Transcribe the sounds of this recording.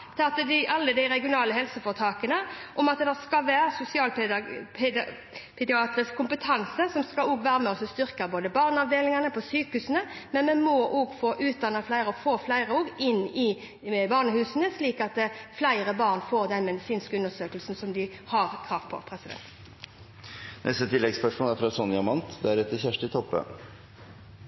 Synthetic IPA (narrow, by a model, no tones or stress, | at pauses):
t̪ʰɑːt̪əd̪ɪʔɑlːəd̪æɪɾɛɡɪʊnɑːləhɛlsəfɔːʁt̪ʰɑːkənəʔɔmɑt̪̚d̪ɛd̪ɛskɑʋæːɾsʊsɪɑːlʰ | pʰɛd̪ɪɑːt̪ɾəskʰʊmpət̪ʰɑnsəsɔmskɑlɔːɡʋæːɾəmɛɔsɔst̪ʏɾkəboːd̪əbɑːʁnɑʋd̪eːlɪŋɑnəpʰɔsyːkhʉsənəmɛnmɛnmoʔoːɡfoːʔʉːt̪̚d̪ɑnːəflæɪɾəɔfoːflæɪʁəoːɡɪnːɪ | bɑːʁnəhʉːsənəsliːkɑt̪̚d̪ɛflæɪʁəbɑːʁnfoːʁd̪ɛnmɛd̪ɪsiːnskəʉnːəsøːkəlsn̩sɔmd̪ɪhɑʁkʰʁɑːʋpʰɔ̰pʰɾɛsɪd̪ɛ̰nt̪ | nʔɛ̰st̪ət̪ʰɪlːɛɡspœʂmʊlæɾfɾɑsɔnɪɑmɑnt̪d̪ɛæɾɛt̪ːəçæʂʈɪt̪ʰɔpːə̰